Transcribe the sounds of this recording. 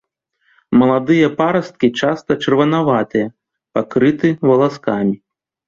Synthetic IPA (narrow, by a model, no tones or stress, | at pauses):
mɐlˠad̪ɨjɐpaɾɐst̪̚kʲit͡ʂast̪ɐt͡ʂɐrvɐnavat̪ɨjɐ | pakɾɨt̪ɨvɐlˠaskamʲi